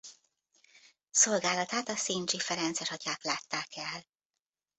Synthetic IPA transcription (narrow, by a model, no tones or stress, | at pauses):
so̞lɡaːlɒt̪aːt̪ɒsiːnt͡ʃifɛɾɛnt̪sɛʃɒcaːklaːt̪ːaːkɛl